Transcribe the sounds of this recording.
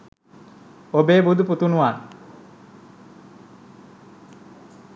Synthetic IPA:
obeːbud̪uput̪unuʋaːn

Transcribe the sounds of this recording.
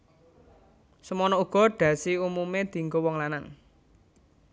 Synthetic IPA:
səmɔnɔuɡ̥ɔ̤ɖ̪̥ä̤siumumed̪̥i̤ŋɡowɔŋlanaŋ

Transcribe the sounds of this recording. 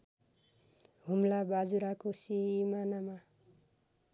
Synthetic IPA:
ɦumlabad͡zuɾakosiimanama

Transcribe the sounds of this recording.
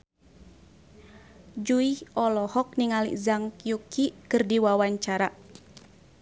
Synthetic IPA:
d͡ʒuihɔlɔhɔk̚niŋalḭzaŋkjukikɨrdiwawaɲt͡ʃaɾa

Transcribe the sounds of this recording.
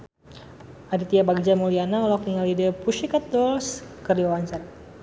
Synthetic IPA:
adit̪iabaɡid͡ʒamulianaɔlɔk̚niŋalidəpuʃikat̪̚dɔlskəriɔwaɲt͡ʃar

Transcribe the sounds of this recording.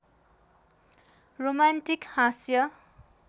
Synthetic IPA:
romantikhasjʌ

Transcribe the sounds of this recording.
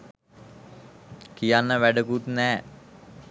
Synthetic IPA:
kijanːəʋæɖəkut̪nɛː

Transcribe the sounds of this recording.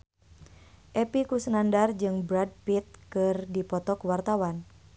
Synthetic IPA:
ʔɛpikusənandard͡ʒɨŋbɾad̚pit̪̚kɨrdipɔt̪ɔkuwart̪awan

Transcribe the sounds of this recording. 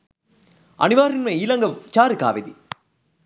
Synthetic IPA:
ɐ̰niʋaːɾinmɐilɐŋɡɐʋt͡ʃaːɾɯka̰ːʋid̪ḭ

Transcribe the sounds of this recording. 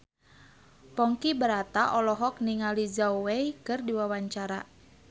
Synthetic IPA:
pɔŋkibəɾat̪aʔɔlɔɦɔk̚niŋalizawejkɨrdiwawaɲt͡ʃaɾa

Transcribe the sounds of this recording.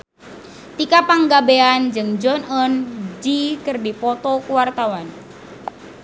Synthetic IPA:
t̪ikapaŋɡabeand͡ʒɨŋd͡ʒɔnɔnd͡ʒikɨrdipɔt̪ɔkuwart̪awan

